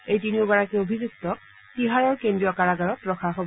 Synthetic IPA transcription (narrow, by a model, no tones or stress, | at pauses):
ejtiniʊɡaɹakɛobʱizuk̚tɔk̚ | tiɦaɹɔɹkendɹijɔkaɹaɡaɹɔtɹɔxʰaɦob